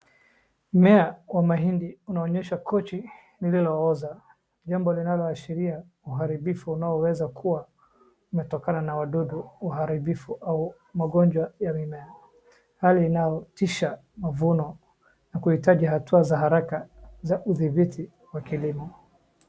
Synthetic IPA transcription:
m̩mɛawamaɦindiunaɔɲɛʃakɔt͡ʃi | nililɔɔza | ʄambɔlinalɔaʃiɾia | uɦaɾiɓifuːnaɔwɛzakʰuwa | umɛtɔkananawaɗuɗuːɦaɾiɓifuʔau | maɠɔnd͡ʒwajamimɛa | haliːnajɔtiʃa | mavunɔ | nakuhitaʄihatuazaɦaɾakazaʔuðibitʰi | wakilimɔ

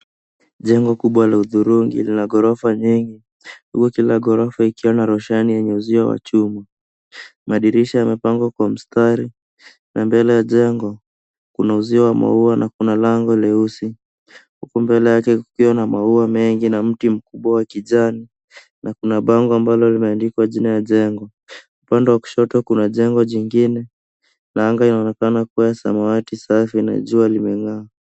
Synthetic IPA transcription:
ʄɛŋɡɔkuɓwalauðuɾuŋɡḭlinaɠɔɾɔfaɲiŋɡi | dṵkukilaɡɔɾɔfaikiwanaɾɔʃanijɛɲɛuziawa̰t͡ʃuma | maɗiɾiʃajamɛpaŋɡwakwam̩staɾi | nambɛlɛjaʄɛŋɡɔ | kunauziawama̰uanʔakunalaŋɡɔlɛusi | hukumbɛlɛjakɛkukiwanamauamɛŋɡinam̩tim̩kuɓwawakiʄani | nakunaɓaŋɡɔambalɔlimɛandikwaʄinajaʄɛŋɡɔ | upandɛwaku̥ʃɔtɔkunaʄɛŋɡɔʄiŋɡinɛ | naaŋɡainaɔnɛkanakuwaasa̰mawatisafina̰ʄualimɛŋa

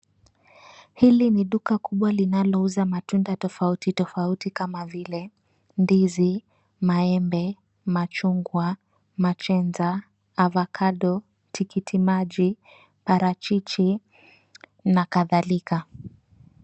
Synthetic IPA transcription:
hiliniɗukakuɓwalinalɔuzamatundatɔfautitɔfautikamavilɛ | ndizi | maɛmbɛ | mat͡ʃuŋɡwa | mat͡ʃɛnzaː | vakʰaɗɔ | tʰikitʰimaʄi | paɾat͡ʃit͡ʃi | nakaðalika

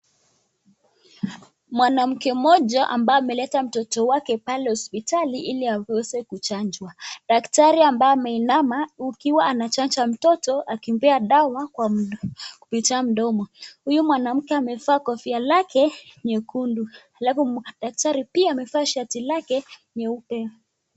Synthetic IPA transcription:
mwanam̩kɛmɔʄaʔa̰mbaɔamɛlɛtam̩tɔtɔwakɛpalɛhɔspitaliʔiliaɛzɛkut͡ʃand͡ʒwaɗaktaɾiambaamɛinamaukiwaanat͡ʃand͡ʒam̩tɔtɔakimbɛaɗawakwa | kupitiam̩ɗɔmɔhujumwanam̩kɛamɛfaːkɔfialakɛɲɛkʰunduhalafuɗak̚taɾipiaːmɛfaːʃatilakɛɲɛupɛ

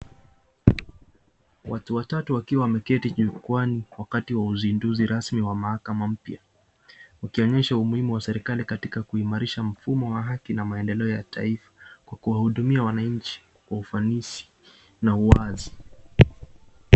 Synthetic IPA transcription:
wʔatuwatatuwakiwawamɛkɛtiʄukwaniwakatiwauzinduziɾasmiwamahakamam̩pja | wukiɔɲɛʃaumuhimuwasɛɾikalikatikakuimaɾiʃam̩fumɔwaɦakinamaɛndɛlɛɔjatʰa̰ifḁkwakuwahuɗumiawanaɲt͡ʃi̥ | waufanisi̥ | nauazi

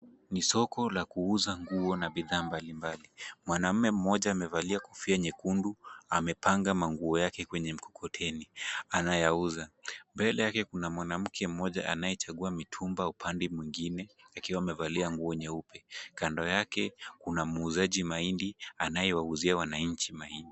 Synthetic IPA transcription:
nisɔkɔlakuuzaŋɡuɔnaɓiðaːmbalimbalimwanam̩mɛm̩mɔʄaːmɛvaliakɔfiaɲɛkunduamɛpaŋɡamaŋɡuɔjakɛkwɛɲɛm̩kɔ̥kʰɔtʰɛnianajauzambɛlɛjakɛkunamwanam̩kʰɛm̩mɔʄa̰ʔa̰najɛt͡ʃaɠuamitʰumbaupʰandɛmwiŋɡinɛakiwaːmɛvaliaŋɡuɔɲɛupɛkandɔjakɛkunamuːzaʄimaindianajɛwauziawanaɲ̩t͡ʃimaindi

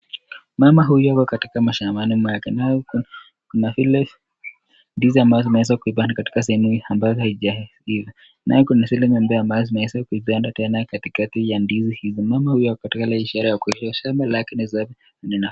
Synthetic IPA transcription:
mamaɦujɔakɔkatikamaʃamanimwakɛnajɔ | kunafilɛ | ndiziambajɔzinahɛs̬akuibandakati̥kasɛɛmuambazɔhaid͡ʒa | ivi | nʔa̰jɔkunasɛlɛmambajɔambazɔzinahɛsakuiɓandatɛnakatikatijandizihizɔmamahujɔakɔ̥katikalaiʃaɾajakuiʃaʃambalakinizab | nɛna

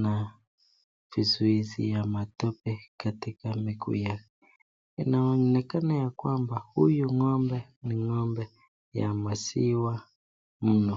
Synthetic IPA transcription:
na | vizuizḭjamatɔpɛkatikamikʰṵjakɛ | inaɔnɛkanajakwambahujuŋɔmbɛ | niŋɔmbɛ | ja̰masiwa | m̩nɔ

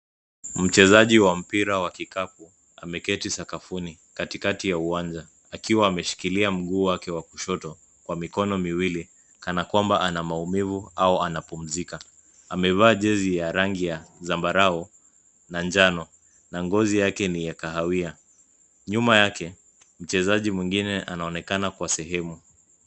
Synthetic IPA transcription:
m̩t͡ʃɛzaʄiwam̩piɾawakikapu | a̰mɛkɛtisakafuni | katikatijauand͡ʒa | akiwaːmɛʃi̥kiliam̩ɠuːwakɛwakuʃɔtɔ | kwamikɔnɔmiwili | kanakwambaʔanamaumivuaɔanapum̩zika | amɛvaːʄɛzijaɾaŋɡijazambaɾaɔ | nand͡ʒanɔ | naŋɡɔzijakɛnijakaɦawia | ɲumajakɛ | m̩t͡ʃɛzaʄimwiŋɡinɛʔanaɔnɛkanakwasɛɦɛmu

